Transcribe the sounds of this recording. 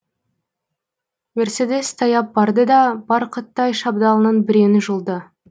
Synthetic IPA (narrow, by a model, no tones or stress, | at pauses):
me̞ɾse̞d̪e̞st̪ʰɑjɑp̚bɑɾd̪əd̪ɑbɑɾqʰət̪ːɑjʃɑb̚d̪ɑlˠənənbɪɾe̞nɪʒʊlˠd̪ə